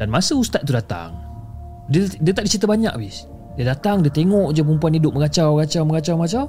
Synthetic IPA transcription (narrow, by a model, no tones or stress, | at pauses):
danmasəust̪at̪̚t̪ːudat̪a̰ŋ | didiat̪aʔdit͡ʃit̪əbaɲa̰kabis | diadat̪aŋdiat̪eŋɔʔd͡ʒap̬əumpuanidʊp̚məɡat͡ʃawɡat͡ʃawməɡat͡ʃawməat͡ʃaw